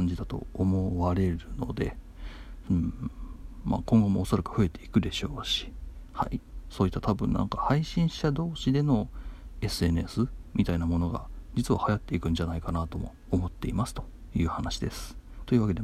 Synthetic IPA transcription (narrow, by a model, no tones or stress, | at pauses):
aɲ̟d͡ʑid̪at̪o̞̰ːmoβaɾe̞ɾɯ̟no̞̰d̪e̞̰ | ɯ̟̃ | ma̰ːkõ̞ŋɡo̞mo̞ːso̞ɾakɯ̟̥ɸɯ̟e̞t̪e̞ikɯ̟d̪e̞ɕo̞ːɕi̥ha̰iso̞ːit̪ːat̪abɯ̟̰̃nnã̰ŋkahaiɕĩɰ̃ɕad̪o̞ːɕid̪e̞no̞e̞sɨe̞nesɨmʲʔit̪ainamo̞no̞ɡa̰d͡ʑit͡sɨβahajat̪ːe̞ikɯ̟̃ɲ̟d͡ʑanaikanat̪o̞mo̞̰ːmo̞t̪ːe̞imasɨ̥t̪o̞̥ | jɯ̟ːhanaɕid̪e̞̰sɨ̥t̪o̞jiɯ̟βake̞d̪e